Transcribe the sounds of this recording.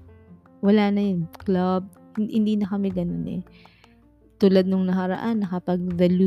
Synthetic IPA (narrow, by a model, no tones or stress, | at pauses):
wɐlaːnɐjonklab̚ | hɪ̰nd̪iːnɐkɐmɛɡɐno̞nɛ̰ | t̪uːlɐd̪noŋnɐhɐɾɐ̰ʔanːɐkɐpɐɡ̚d̪ɐlu